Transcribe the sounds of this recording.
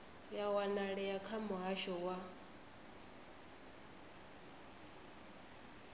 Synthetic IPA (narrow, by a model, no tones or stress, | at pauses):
jawanaɺɛjakʰamʊɦaʃɔwa